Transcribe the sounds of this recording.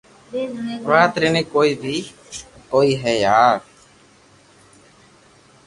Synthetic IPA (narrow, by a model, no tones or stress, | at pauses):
ɾaːt̪ɾenikoːiːbʱiː | koːiːɦɛːjaːɾ